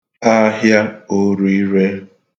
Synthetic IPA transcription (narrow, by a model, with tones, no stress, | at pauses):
a˦ɦja˦o˦ɾu˨˦i˦ɾe˦